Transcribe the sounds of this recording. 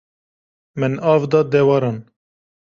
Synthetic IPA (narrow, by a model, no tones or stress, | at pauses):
mɛnɑːvd̪ɑd̪ɛwɑɾɑn